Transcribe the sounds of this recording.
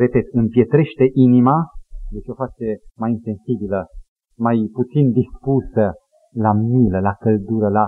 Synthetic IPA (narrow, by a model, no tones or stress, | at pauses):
re̞pe̞t̪ɨmpje̞t̪ɾe̞ʃt̪e̞ʔinimajet͡ʃo̞fat͡ʃemajinse̞nsibilə | majput̪sind̪ispusə | lamiləlakəld̪uɾəla